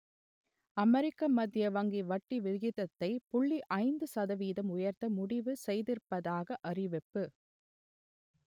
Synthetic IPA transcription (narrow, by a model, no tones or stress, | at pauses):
ɐmɛɾɪkːɐmɐd̪jɐʋɐŋɡiʋɐʈːiʋɪɣɪðɐt̪ːɐɪpʊɭːiʔɐɪnd̪ɯsɐðɐʋiːðɐmʊjɐɾt̪ɐmʊɽɪʋɯsɛjðɪɾpːɐðaːɣɐʔɐrɪʋɪpːɯ